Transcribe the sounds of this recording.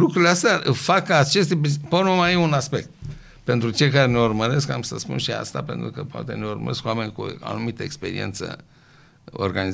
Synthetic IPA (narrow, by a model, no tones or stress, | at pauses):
lukɾuleast̪eaʔɨfakəat͡ʃe̞st̪epepoɾmomajeunaspe̞k̚t̪̚ | pe̞nt̪ɾut͡ʃe̞jkaɾene̞urməɾe̞skamsəspṵnʃia̰st̪a̰pe̞nt̪ɾukəpoa̰t̪ene̞urmə̰ɾe̞skoame̞nʲkua̰numit̪əekspe̞ɾḭʔe̞nt̪sə̰ | o̰rɡaniz